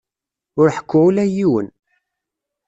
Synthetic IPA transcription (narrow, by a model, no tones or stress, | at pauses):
ʊɾħə̥kʷːʊʕulæjiwən